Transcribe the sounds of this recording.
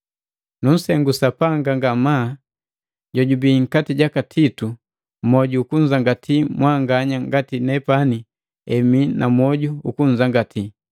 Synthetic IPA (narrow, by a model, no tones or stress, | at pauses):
nun̩sɛŋɡusapaŋɡaŋɡama | ɟɔɟubiŋ̩katiɟakatʰitu | mɔɟuːkuɲd͡ʒaŋɡatʰimwaŋɡaɲaŋɡatinɛpani | ɛminʔamwɔɟuukuɲ̩zaŋɡatʰi